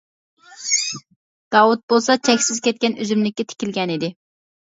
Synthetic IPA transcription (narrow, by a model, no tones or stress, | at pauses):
d̪̥ɑwut̪̚bolˠsɑt͡ʃʰɛkʲsɪz̥kʲɛt̪̚kʲɛnøzymlɪkʲːɛt̪ʰɪ̥kʲilɡʲɛnid̪ɪ